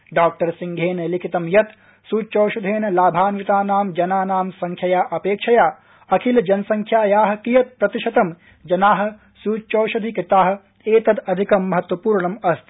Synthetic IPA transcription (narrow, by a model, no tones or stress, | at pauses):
ɖaːk̚ʈɐɾsiŋɡʱeːnlikʰit̪ɐmjɐt̪ | suːt͡ʃoːʃɐd̪ʱeːnlaːbʱaːnʋit̪aːnaːmd͡ʒɐnaːnaːmsɐŋkʰjɐjaːʔɐpeːkʂɐjaː | ɐkʰild͡ʒɐnsɐŋkʰjaːjaːɦɐ̆kijɐt̪̚pɾɐt̪iʃɐt̪ɐm | d͡ʒɐnaːɦɐ̆ | suːt͡ʃoːʃɐd̪ʱikɾɪt̪aːɦɐ̆ | eːt̪ɐd̪ɐd̪ʱikɐmːɐɦɐt̪wɐpuːɾɳɐmɐst̪